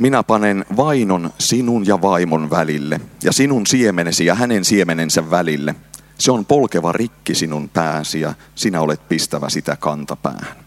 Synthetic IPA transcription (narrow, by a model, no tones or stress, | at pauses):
minæpɑnenʋɑinonsinunjɑʋɑimonʋælilːḛjɑsinunsiemenesijɑhænensiemenensæʋːælilːe | seompo̞lkeʋɑrikːisinunpæːsijɑ̰ | sinæolet̪̚pist̪æʋæ̰sit̪ækɑnt̪ɑpæ̰ːhæn